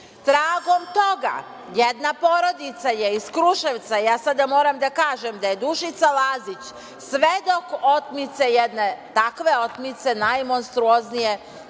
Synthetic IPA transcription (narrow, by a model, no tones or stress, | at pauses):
t̪ɾaːɡo̞mt̪o̞ɡa̰ | jed̪napo̞ɾo̞d̪it̪sajeiskɾuʃe̞ʋt̪sajaːsad̪amo̞ːɾamd̪akaːʒemd̪ajed̪uʃit̪salazit͡ɕ | sʋed̪o̞ko̞t̪mit̪sejed̪net̪akʋe̞ot̪mit̪se̞najmo̞nst̪ɾuoznije̞